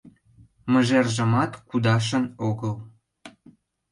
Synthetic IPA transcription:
mə̆ʒerʒə̆mɑt̪kud̪ɑʃ̬ənoɣəl

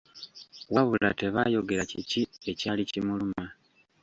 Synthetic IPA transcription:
waβula̰te̞βajo̞ɡe̞ɾacecie̞caːlicimuluma

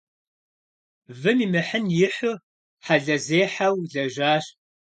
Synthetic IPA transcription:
vɨmiːmɨħənjɪħʊ | ħaɮɐzeːħawɮɐʒaːɕ

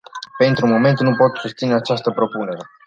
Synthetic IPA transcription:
pe̞nt̪ɾumo̞me̞nt̪nupo̞t̪sust̪sineat͡ʃast̪əpɾo̞pune̞ɾe̞

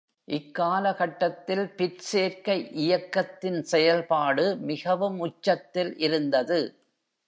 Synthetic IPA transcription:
ʔɪkːaːlɐɣɐʈːɐt̪ːɪlpɪɾseːɾkɐɪʔɪjɐkːɐt̪ːɪnsɛjɐlpaːɽɯmɪɣɐʋɯmʊt͡ʃːɐt̪ːɪlʔɪɾɯnd̪ɐðɯ

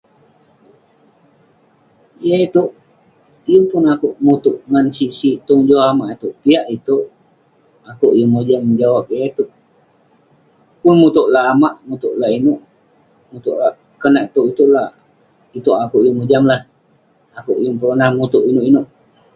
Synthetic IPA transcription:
jait̪uʔ | jəpʊnakuʔmut̪uʔŋansisit̪uŋd͡ʒoamaʔit̪uʔpiaʔit̪uʔ | akuʔjəŋmod͡ʒamd͡ʒawap̚jait̪uʔ | pʊnmut̪uʔlaːmaʔmut̪uʔlainuʔ | mut̪uʔlaʔ | kənaʔit̪uʔit̪uʔla | it̪uʔakuʔjuŋmud͡ʒamlah | akuʔjuŋpəɾonahmut̪uʔinuʔinʊʔ

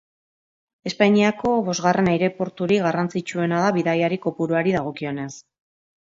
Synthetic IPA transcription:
e̞spaɲiako̞βo̞zɣare̞najɾe̞po̞ɾt̪uɾiɣarant͡sit͡ʃue̞naðaβiðajaɾiko̞puɾuaɾiðaɣ̞o̞kio̞ne̞s

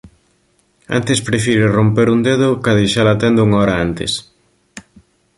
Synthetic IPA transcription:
a̰nt̪espɾefiɾerompeɾund̪eðʊkaðeʃalat̪ɛnd̪uŋaɔɾaant̪ḛs

